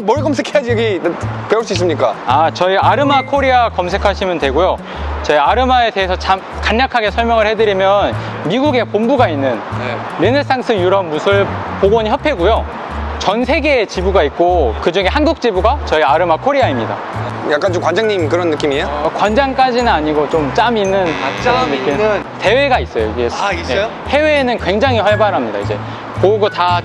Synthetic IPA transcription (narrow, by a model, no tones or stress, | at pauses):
mʌɾikʌmsʰekʰejad͡ʑijʌɡipeuɭs͈uis͈ɯmɲik͈aat͡ɕʌiaɾɯmakʰoɾiakʌms̬ʰe̞kʰaɕʰimjʌntwe̞ɡojo | t͡ɕʌiaɾɯmae̞te̞ɦesʰʌt͡ɕam | kaɲːakʰaɡe̞sʰʌɭmjʌŋɯɭhe̞dɯɾimjʌnmiɡuɡe̞pombuɡainːɯn | ɾinɯɭs͈aŋs͈ʰɯjuɾʌmːusʰɯɭpoɡoɲiçjʌpʰe̞ɡujo | t͡ɕʌnsʰe̞ɡeːt͡ɕibuɡaik̚k͈okɯd͡ʑuŋe̞ɦanɡuk̚t͡ɕ͈ibuɡat͡ɕʌiaɾɯmakʰoɾiaimɲida̰ | jak͈ant͡ɕomkwand͡ʑaŋɲimkɯɾʌnːɯk͈imiokwand͡ʑaŋk͈ad͡ʑinɯnaɲiɡot͡ɕomt͡ɕ͈aminːɯnɾʌnːɯk͈imte̞we̞ɡais͈ʌjoiɡe̞je | he̞we̞ːnɯnkwe̞ŋd͡ʑaŋɦihʌɭbaɾɦamɲida̰ḭd͡ʑe̞̰ | pouɡota